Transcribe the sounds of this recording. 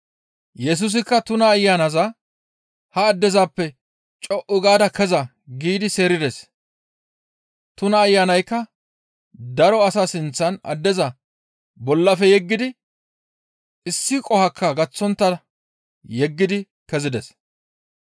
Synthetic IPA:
jɛs̬ʊs̬ɪkːɐt̪ʊnɐːjːanɐzɐ | hɐːd̪ːɛzaːpːɛ | t͡ʃʼɔʔʊɡaːd̪ɐkɛzɐ | ɡiːd̪ɪseːɾɪd̪ɛs | t̪ʊnɐːjːaːnɐjkːɐ | d̪ɐɾɔɐsasɪnt͡sːɐnɐ̰d̪ːɛzɐ | bɔlːɐfɛjɛɡːɪd̪ɪ | ɪsːɪkʼɔhɐkːɐɡɐt͡sːɔnt̪ːɐɐ | jɛɡːɪd̪ɪ | kɛzɪd̪ɛs

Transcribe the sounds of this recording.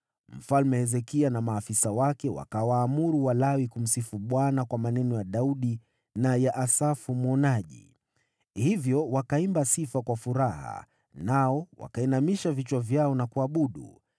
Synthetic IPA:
m̩falmɛhɛzɛkianamaːfisawakɛwa̰kawaːmuɾuwalawikum̩sifuɓwanakwamanɛnɔjaɗauɗi | najaʔasafumɔnaʄḭ | hivjɔwakaimbasifakwafuɾaha̰ | naɔwa̰kainamiʃavit͡ʃwavjaɔnakuaɓuɗṵ

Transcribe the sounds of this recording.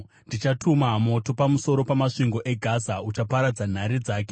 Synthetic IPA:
ndit͡ʃatʰumamo̞to̞pamuso̞ɾo̞pamaʂiŋɡo̞ʔe̞ɡʱazaut͡ʃapaɾad͡zan̤aɾid͡zaːk̬e

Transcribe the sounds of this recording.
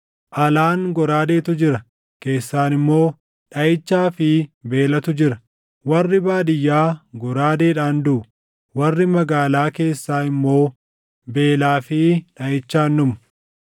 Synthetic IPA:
ʔɐlaːŋɡɔɾaːd̪e̞ːt̪ʊd͡ʒɪɾɐ | ke̞ːsːaːnɪmːo̞ː | ᶑɐjɪt͡ʃːaːfɪbe̞ːlɐt̪ʊd͡ʒɪɾɐ | wɐrːɪbaːd̪ɪjːaːɡɔɾaːd̪e̞ːᶑaːnd̪ʊ | wɐrːɪmɐɡaːlaːke̞ːsːaːɪmːo̞ː | be̞ːlaːfɪᶑɐjɪt͡ʃːaːnːʊmʊ̥

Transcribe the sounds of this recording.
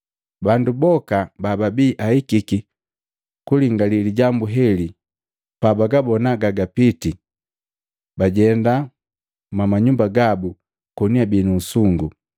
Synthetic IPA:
bandubɔkabababiːʔaikiki | kuliŋɡaliliɟambuɦɛli | pabaɡabɔnaɡaɡapiti | baɟɛnda | mamaɲumbaɡabu | kɔniabiːnusuŋɡu

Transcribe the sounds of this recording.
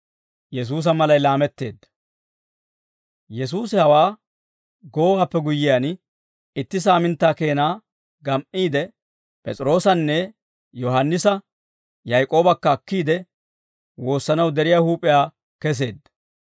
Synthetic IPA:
jɛs̬uːs̬ɐmɐlɐjlaːmɛt̪ːe̞ːd̪ːɐ̥ | jɛs̬uːsɪhɐwaː | ɡo̞ːwaːpːɛɡʊjːɪjaːn | ɪt̪ːɪs̬aːmɪnt̪ːaːke̞ːnaː | ɡɐmʔiːd̪ɛ | pʼɛ̰t͡sʼɪɾo̞ːsɐnːɛ | jɔɦɐnːɪsɐ | jɐjkʼo̞ːbɐkːɐːkːiːd̪ɛ | wo̞ːsːɐnɐwd̪ɛɾɪjaːhuːpʼɪjaː | kɛs̬e̞ːd̪ːɐ̥

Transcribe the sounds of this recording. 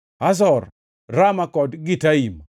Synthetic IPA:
as̬ɔr | ramakɔdɡitaim

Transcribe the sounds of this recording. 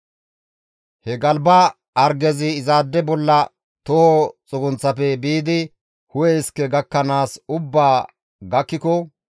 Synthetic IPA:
hɛɡɐlbɐ | ɐɾɡɛzɪːzaːd̪ːɛbɔlːɐ | t̪ɔhɔt͡sʼʊɡʊnt͡sːɐpɛbiːd̪ɪ | hʊjɛɪskːɛɡɐkːɐnaːsʊbːaː | ɡɐkːɪkɔ

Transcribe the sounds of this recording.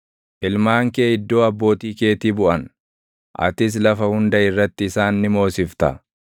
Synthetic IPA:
ʔɪlmaːŋkeːɪd̪ːo̞ːɐbːo̞ːt̪iːke̞ːt̪iːbʊʔɐn | ʔɐ̰t̪ɪs̬lɐfɐhʊnd̪ɐɪrːɐt̪ːɪːsaːnːɪmo̞ːsɪft̪ɐ̰

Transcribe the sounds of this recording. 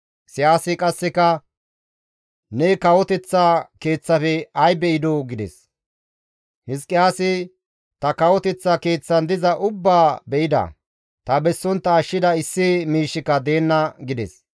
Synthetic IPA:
sɪjaːsɪkʼɐsːɛkɐ | nɛkɐwɔt̪ɛt͡sːake̞ːt͡sːɐfɛɐjbɛʔɪd̪ɔɡɪd̪ɛ̰s | hɪskʼːɪjaːsɪ | t̪ɐkɐwɔt̪ɛt͡sːɐke̞ːt͡sːɐnd̪ɪzɐʔʊbːaːbɛʔɪd̪ɐ̰ | t̪ɐbɛsːɔnt̪ːɐːʃːɪd̪ɐɪsːɪmiːʃːɪkɐd̪e̞ːnːɐɡɪd̪ɛ̰s

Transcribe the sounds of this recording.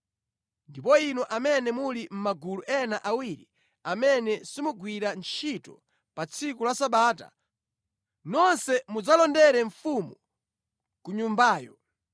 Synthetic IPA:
ndipɔinɔʔamɛnɛmulim̩maɡuluʔɛnaʔawiɾi | amɛnɛsimuɡwiɾant͡ʃʰitɔ | pat͡sʰikulasaɓaːta̰ | nɔnsɛmud͡zalɔndɛɾɛɱfumu | kuɲumbaːjɔ̰

